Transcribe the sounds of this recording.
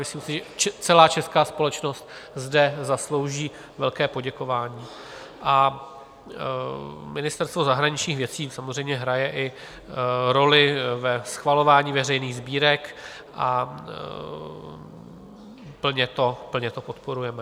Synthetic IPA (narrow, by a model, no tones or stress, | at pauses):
mɪsliːmsɪʒɛt͡ʃɛt͡sɛlaːt͡ʃɛskaːspo̞lɛt͡ʃno̞st̪zdɛzaslo̞wʒiː | vɛlkɛːpo̞ɟɛko̞vaːɲiː | ʔa | mɪnɪst̪ɛɾst̪vo̞zaɦɾaɲɪt͡ʃɲiːxvjɛt͡siːsamozrɛjmɲɛɦɾajɛʔɪ | ɾo̞lɪvɛsxvalo̞vaːɲiːvɛrɛjniːɣzbiːɾɛk | ʔa | pl̩ɲɛt̪o̞pl̩ɲɛt̪o̞pot̪po̞ɾujɛmɛ